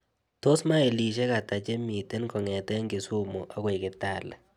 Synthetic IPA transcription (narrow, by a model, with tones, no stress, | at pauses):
to˦sma˦e˨li˨ʃ̬e˦ka˨ta˨t͡ʃe˦mi˨te˦nkɔ˨ŋɛ˨tɛ˦ŋɡi˨su˦mo˨ʔa˦kɔ˦ɪ˨kɪ˨ta˦˨lɛ˨